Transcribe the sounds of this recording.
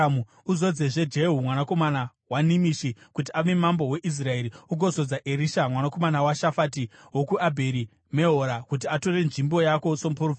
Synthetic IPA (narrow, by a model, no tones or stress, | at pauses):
mu | uzo̞d͡zeʐe̞d͡ʒe̞ɦumwanako̞mana | wanimiʃikut̬iaʋe̞mambo̞we̞ʔis̬rae̞ɾiuɡʱo̞zo̞d͡zaʔeɾiʃamwanako̞manawaʃafatiwokuʔabʱeɾi | me̞ɦoɾakut̬iato̞re̞nʐimbo̞jako̞somuporofi